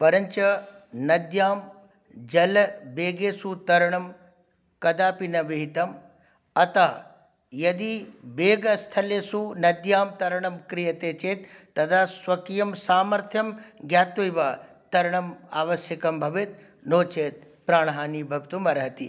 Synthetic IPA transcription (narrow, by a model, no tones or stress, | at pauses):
pɐɾɐɲt͡ʃɐnɐd̪jaːm | d͡ʒɐlbeːɡeːsut̪ɐɾɐɳɐm | kɐd̪aːpinɐʋiɦit̪ɐm | ɐt̪a | jɐd̪ibeːɡɐst̪ʰɐleːsunɐd̪jaːmt̪ɐɾɳ̃ɐmkɾijɐt̪eːt͡ʃeːt̪ː | ɐd̪ʱaːsʋɐkijɐmsaːmɐɾt̪ʰjɐmɡjaːt̪ojʋɐ | t̪ɐɾɐɳ̃ɐma̰ːʋɐsjɐkɐmbʱɐʋit̪̚ | noːt͡ʃeːt̪̚ | pɾaːɳ̃ɦaːniːbʱɐɡt̪umɐɾɐɦɐt̪ḭ